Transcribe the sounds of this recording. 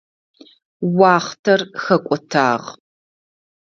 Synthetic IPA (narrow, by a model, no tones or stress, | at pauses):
wɑːχtʰɐrxɐkʷʼɔtʰa̰ːʁ